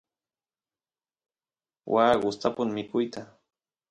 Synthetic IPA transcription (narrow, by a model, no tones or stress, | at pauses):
wʔaːɢʊst̪apʊŋmɪkʊjt̪a